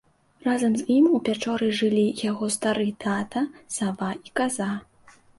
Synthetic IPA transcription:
razɐmzimupʲat͡ʂɔɾɨjʐɨlʲijaɣɔst̪aɾɨt̪ʰat̪ɐsavaikaza

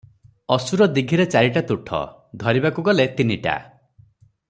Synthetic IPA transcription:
ɔsuɾɔd̪iɡʱiɾet͡ʃaɾiʈat̪uʈʰɔ̰ | d̪ʱɔɾibakuɡɔlet̪iniʈa̰

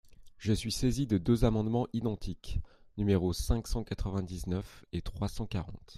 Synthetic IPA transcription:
ʒəsɥisezid̪əd̪øzamɑ̃d̪mɑ̃ʔid̪ɑ̃t̪ʰiknymeʁosɛ̃ksɑ̃kat̪χəvɛ̃d̪iznœfet̪χwasɑ̃kaʁɑ̰̃t̪

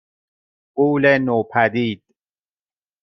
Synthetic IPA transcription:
ɢuːlenoːpʰæd̪iːd̪̥̚

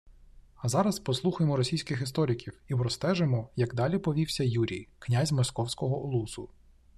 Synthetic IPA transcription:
ɐzɑɾɐspɔslˠuxʊjemɔɾɔsʲijsʲkɪxɪst̪ɔɾʲɪkʲiwipɾɔst̪ɛʒemɔjɐɡd̪ɑlʲipɔʋʲiwsʲɐjuɾʲḭjknʲazʲmɔskɔwsʲkɔɦɔlˠusʊ

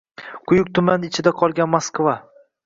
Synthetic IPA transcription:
qʰʊjʊk̚t̪ʰʊmanɪt͡ʃʰɪd̪aqʰɒlˠɡʲanmaskva

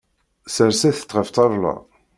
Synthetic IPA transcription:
səɾsæθə̥t͡sːʁəft̪ˤɑɾˤlɑ̰

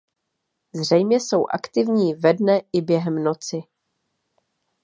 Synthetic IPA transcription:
zr̝ɛjmɲɛso̞wʔa̰kt̪ɪvɲiːvɛdnɛʔɪbjɛɦɛmno̞t͡sɪ

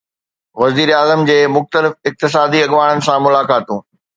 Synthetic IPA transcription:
ʋɐziːɾaːzəmd͡ʑeːmʊxt̪əlɪfɪk̚t̪ɪs̬aːd̪iɐɠʋaːɽ̃ənɪ̆sãmʊlaːkaːt̪ũː

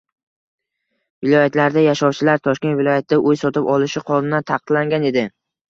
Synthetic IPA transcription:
vɪlˠɒjat̪ʰlaɾd̪ajaʃɒwt͡ʃʰɪlaɾt̪ʰɒʃkʲe̞nt̪vɪlˠɒjat̪̚d̪aʔojsɒt̪ɪpɒlˠɪʃɪqʰɒlˠɪnat̪ʰɑqɨd̪laŋɡʲane̞d̪ɪ

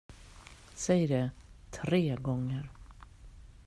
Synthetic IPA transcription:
sɛjɖɛt̪ʰɾeːɡɔŋːəɾ

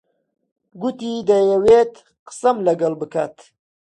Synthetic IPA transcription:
ɡut̪id̪ɐjɐweːt̪ | qə̥sɐmlɐɡɐlbɨkʰaːt̪

